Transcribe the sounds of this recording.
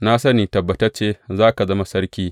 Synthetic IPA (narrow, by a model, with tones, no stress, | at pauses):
na˦sɐ˦niː˨tɐ˨bːɐ˨tɐ˦t͡ʃeː˦zaː˦ka˨zɐ˦ma˨˦sɐ˦rkʲiː˦